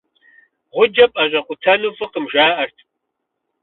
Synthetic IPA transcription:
ʁʷʊd͡ʒɐpʼɐʑʼɐqʷʊtʰɐnufɨqəmʒaːʔɐrtʰ

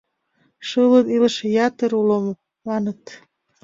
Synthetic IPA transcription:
ʃələnilʃejɑt̪əɾulom | mɑnət̪

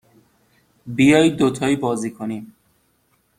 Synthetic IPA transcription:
bijɒːjd̪ot̪ʰɒːiːbɒːziːkʰonim

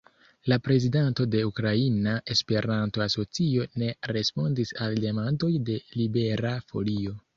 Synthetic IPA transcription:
lapɾe̞zidento̞de̞ukɾainaʔe̞spe̞ɾʔanto̞aso̞t͡sio̞ne̞ɾe̞spo̞ndisalde̞mando̞jde̞libe̞ɾafo̞̰lio̞

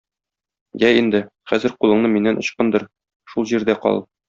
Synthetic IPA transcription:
jæind̪ɘχæzɘ̆ɾqulˠɤ̆ɴnɤminːænʔŏɕqɤnd̪ɤɾ | ʃulˠʑiɾd̪æqɒ̰lˠ

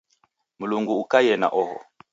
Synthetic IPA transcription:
muluŋɡuːkajɛna̰ʔɔɦɔ̰

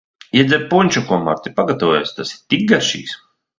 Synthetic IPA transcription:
iɛd̪zʲɛɾpunʲt͡ʃukuɔma̰ɾt̪ʲipaɡat̪awɔjɛst̪asiɾt̪ik̚ɡaʃḭːs

